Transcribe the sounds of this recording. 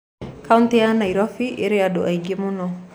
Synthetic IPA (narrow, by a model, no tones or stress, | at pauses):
kʰauntijanaiɾɔfiʔeɾeadoʔaiɡemunɔ